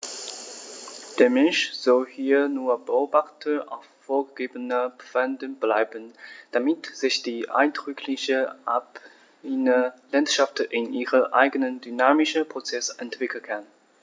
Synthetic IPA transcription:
d̥eːɐmɛnʃz̥ɔlhiːɐnuːɐbəoːbaχtəʔa̰ʊffoːɐɡəɡeːbənəpfandənblaɪbənd̥amɪtz̥ɪçd̥iːʔa̰ɪndʁʏkʰlɪçəʔap | inəlantʃaftʔɪnʔiːʁəʔa̰ɪɡənəndynaːmɪʃəpʁ̥ot͡sɛsʔɛntv̥ɪkl̩kʰan

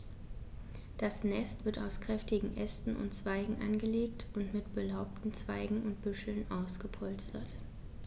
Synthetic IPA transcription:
d̥asnɛstv̥ɪɐtaʊskʁ̥ɛftɪɡŋ̩ʔɛstn̩ʊ̰ntt͡sv̥aɪɡŋ̩ʔa̰nɡəleːktʰʊntmɪtb̥əlaʊp̚tn̩t͡sv̥aɪɡŋ̩ʊntb̥ʏʃl̩nʔaʊsɡ̥əpʰɔlstɐt

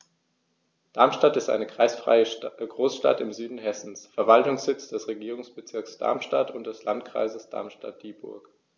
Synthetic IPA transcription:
d̥aɐmʃtatɪstʔa̰ɪnəkʁ̥a̰ɪsfʁ̥a̰ɪəɡʁoːsʃta̰tɪmzyːdn̩ɦɛsn̩sfɛɐvaltʊŋsz̥ɪt͡sd̥ɛsʁeɡiːʁ̞ʊŋsb̥ət͡sɪɐksd̥a̰ɐmʃtatʰʊnt̚d̥ɛslantkʁ̥a̰ɪzəsd̥a̰ɐmʃta̰t̚d̥iːbʊ̰ɐk

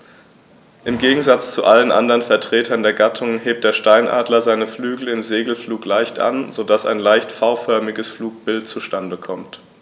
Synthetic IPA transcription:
ʔɪmɡeːɡŋ̩zat͡st͡suʔalənʔa̰ndəʁənfɛɐtʁ̥eːtʰɐndeːɐɡatʰʊŋɦeːp̚t̚d̥eːɐʃtaɪnʔa̰ːdlɐzaɪnəflyːɡl̩ɪmzeːɡl̩fluːklaɪçtʔa̰nzodasa̰ɪnlaɪçtfaʊfœɐmɪɡəsfluːk̚b̥ɪlt̚t͡suʃtandəkʰɔmt

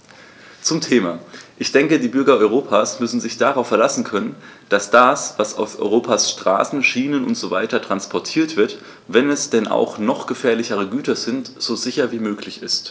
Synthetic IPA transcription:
t͡sʊmtʰeːmaːʔɪçd̥ɛŋkədiːbʏɐɡɐɔʏʁ̞oːpʰaːsmʏsn̩zɪçd̥aʁaʊfːɛɐlasn̩kʰœnənd̥asd̥aːsv̥asa̰ʊfʔɔ̰ʏʁoːpʰaːsʃtʁ̥a̰ːsn̩ʃiːnənʊ̰ntz̥oːva̰ɪtɐtʁ̥anspʰɔɐtʰiːɐtv̥ɪɐt | vɛnɛsd̥ɛnʔa̰ʊxnɔχɡ̥əfɛːɐlɪçəʁ̞əɡyːtɐzɪntz̥oːzɪçɐviːmøːklɪçɪst

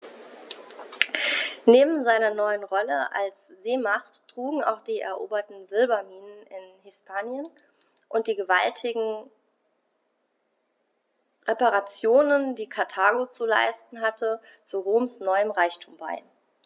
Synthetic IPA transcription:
neːbm̩zaɪnɐnɔʏənʁɔləʔa̰lsz̥eːmaχtːʁ̥uːɡŋ̩a̰ʊxd̥iːʔɛ̰ɐʔo̰ːbɐtn̩zɪlbɐmiːnənɪnhɪspʰaːnjən | ʔʊntd̥iːɡəva̰ltʰɪɡŋ̩ | ʁepaʁat͡sjoːnəndiːkʰaɐtʰaːɡot͡sula̰ɪstn̩ɦatʰə | t͡suʁoːmsnɔʏəmʁaɪçtʰuːmba̰ɪ

